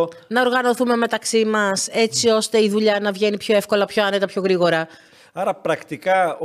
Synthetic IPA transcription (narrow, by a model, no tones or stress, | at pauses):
nɐo̞ɾɣɐno̞θume̞me̞t̪ɐksimɐse̞t͡sio̞st̪e̞iðuʎɐnɐvʝe̞nipço̞e̞fko̞lɐpço̞ɐne̞t̪ɐpço̞ɣɾiɣo̞ɾɐ | ɐɾɐpɾɐkt̪ikɐ